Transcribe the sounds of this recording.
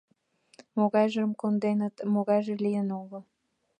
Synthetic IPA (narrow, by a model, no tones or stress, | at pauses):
moɣɑjʒə̆mkond̪enə̆t̪moɣɑjʒĕlijənoɣə̆